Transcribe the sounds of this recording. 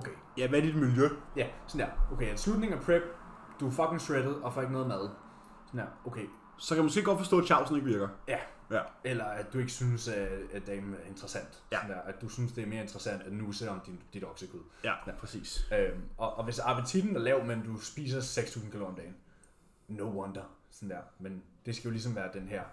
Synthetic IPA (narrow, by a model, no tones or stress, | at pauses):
okʰe | jæʋæɐd̥id̥miljøjæsɒn̩d̥æɐ̰oʊkʰḛæ̥slud̥̚ne̝ŋæɐpʰʁeb̥̚ | d̥ufɒ̽ɡ̥ʰeŋsʁed̥ð̩ˠɒ̽fɒːeɡ̥ənɔðˠmæðˠ | sn̩æɐ̰oʊkʰe | sɒ̽kʰæmosɡe̝̰ːɡɒ̽d̥fɒsd̥ɔ̰̥ːɕʰɑ̈ʊ̰sn̩eɡ̥ʋiɐɡ̥ɐjæ | elɐæd̥ue̝ɡ̥əsynəsæd̥eme̝nt͡sʁɐsæn̰d̥sɔnd̥æɐ̰æd̥d̥usynəsd̥e̝æɐme̝ːɐe̝nt͡sd̥ʁəsæn̰d̥æd̥nuːseɒ̽md̥ind̥id̥ɒ̽ɡ̥səkʰuðˠæpʰʁɛsḭːsømɒ̽ʔːʋe̝sɑ̈pʰət͡sʰid̥n̩æɐlɛʊmend̥usb̥ḭːs̬ɐseɡ̥st͡sʰṵːs̬n̩kʰilo̰ɒmd̥ɛːɪn | noʊwɔnd̥ɐsɒ̽n̩d̥æɐ̰mend̥e̝sɡ̥æjo̝lis̬ɒ̽mʋæːɐd̥enɦæɐ̰